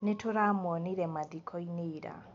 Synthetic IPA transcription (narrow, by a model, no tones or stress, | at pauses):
netoɾamɔniɾɛmaðikʰɔineiɾa̰